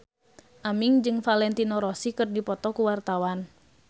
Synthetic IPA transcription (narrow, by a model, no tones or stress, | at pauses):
ʔamiŋd͡ʒɨŋfalɛnt̪inɔɾɔsikɨrdipɔt̪ɔkuwart̪awan